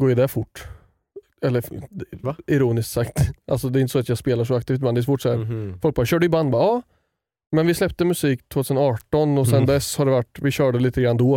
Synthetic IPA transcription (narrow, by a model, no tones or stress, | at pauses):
ɡoːjɪd̪ɛfʊʈː | ɛlːəɾ | ɪɾuːnɪsk̪sakt̪ʔa̰lsɔd̪ɛɾɪnt̪ə̥sɔat̪jɑɡspeːlaʂɔakt̪ʰiːft̪mɛnd̪ɛs̬ʂɔfʊːʈːsɔhæɾfɔlk̚bɑːɕœːɖəjʏband̪bɑːɑː | mɛnvɪslɛpt̪əmɵsiːkt̪ʰvoːt̪ʰʉːsənɑːʈɔnɔsɛnd̪ɛshaɖɛvaʈːvɪɕœːɖəliːt̪əɡɾand̪ɔ